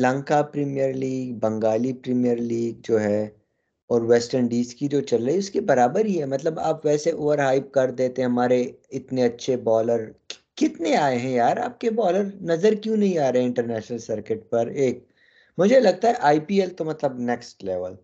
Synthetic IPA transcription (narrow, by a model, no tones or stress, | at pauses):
lɐ̃ŋkapɾiːmijəɾliːɡbɐ̃ŋɡaːlipɾiːmijəɾliːɡ̚d͡ʒoːɦɛ | ɔːɾʋɛːsʈəɳɖiːskid͡ʒoːt͡ʃɐlɾəiʊskebɐɾaːbəɾɦiɦɛmɐt̪ləba̰ːpʋɛːseʔoːʋəɾɦaːɪp̚kɐɾd̪eːt̪eɛ̃ɦɐmaːɾeɪt̪neɐtːʃʰebɔːləɾkɪt̪neaːeɦɛ̃jaːɾa̰ːp̚kebɔːləɾnɐzəɾkjũnɐɦĩaːɾɐɦɛ̃ɪ̃ɳʈəɾnɛːʃnəlsɐɾkɪʈ̚pɐɾeːk̚ | mʊd͡ʒʱelɐɡ̚t̪aɦɛʔaːipiːɛlt̪omɐt̪ləbnɛksʈlɛːʋəl